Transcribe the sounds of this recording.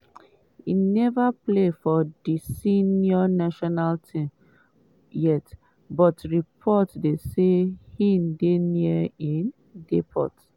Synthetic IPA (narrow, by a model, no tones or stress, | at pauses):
ḭnɛvaplefɔdisinjɔnaʃɔnaltʰĩm | jɛt | bɔtɹipʰɔtdesehĩndeniəĩn | depʰɔ̰t